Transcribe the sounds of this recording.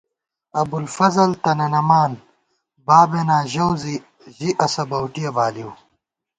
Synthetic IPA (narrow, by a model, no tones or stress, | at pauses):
ɐbulfɐzɐlt̪ɐnɐnɐmaːn | baːbenaːʑɐwzi | ʑiʔɐsɐbɐwʈijɐbaːliwu